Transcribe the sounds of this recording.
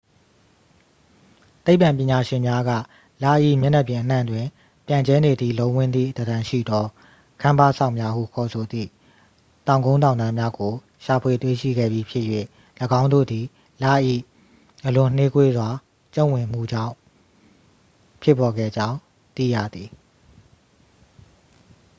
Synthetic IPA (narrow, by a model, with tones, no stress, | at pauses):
t̪e˦ɪpã˨mpjɪ̃˨ɲa˨ʃɪ̃˨mja˦ɡä̰˦˨ | lä̰˦˨ʔḭ˦˨mjɛ˦nɛ˦˨pjɪ̃˨ʔən̥ã̰˦˨ndwɪ̃˨ | pjã˨ɲd͡ʑɛ˦ne˨d̪ḭ˦˨lõ˦wɪ̃˦˨nd̪ðḭ˦˨də˨dã˨ʃḭ˦˨d̪ɔ˦ | kʰã˦mba˦˨sʰã˦˨ʊ̃mja˦hṵ˦˨kʰɔ˨sʰo˨d̪ðḭ˦˨ | tã˨ʊ̃ŋɡõ˦ʊ̃nt̬ã˨nd̪ã˦mja˦ɡo˨ | ʃa˨pʰwe˨twḛ˦˨ʃḭ˦˨ɡɛ̰˦˨bji˨˦pʰjɪ˦ʔjwḛ˦˨ | lə˨ɡã˦ʊ̃ndo̰˦˨d̪i˨ | la̰˦˨ʔḭ˦˨ | ʔəlʊ̃˨n̥ne˦kwe˦zwa˨ | t͡ɕõ˦˨wɪ̃˨m̥ṵ˦˨d͡ʑã̰˦˨ʊ̃ | pʰjɪ˦pːɔ˨ɡɛ̰˦˨d͡ʑã˦ʊ̃ | t̪ḭ˦˨jä̰˦˨d̪ði˨